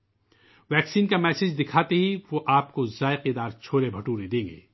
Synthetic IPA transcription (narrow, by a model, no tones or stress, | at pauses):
ʋɛːksiːnkamɛːsɪd͡ʒd̪ɪkʰaːt̪eɦiʋoʔaːp̚kozaːeqid̪aːɾt͡ʃʰoːɾebʱɐʈuːɾed̪ẽːŋɡḛː